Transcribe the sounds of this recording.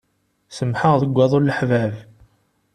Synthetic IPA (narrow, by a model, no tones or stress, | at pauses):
səmħəʁðəɡʷːæðˤolləħvæv